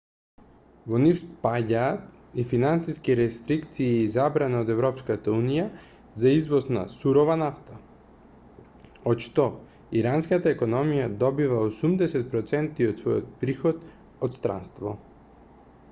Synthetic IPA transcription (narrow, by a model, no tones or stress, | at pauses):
vɔnifspaɟaːt̪̚ | ifinansiskiɾɛst̪ɾikt̪siːzabɾanaod̪ɛvɾɔpskat̪aunija | zaizvɔsna̰suɾɔvanaft̪a | ɔt̪ʃt̪ɔ | iɾanskat̪aɛkɔnɔmijad̪ɔbivaosumd̪ɛsɛt̪̚pɾɔt̪sɛnt̪iɔt̪svɔjɔ̰t̪̚pɾixɔt̪ | ɔt̪st̪ɾa̰nst̪vɔ̰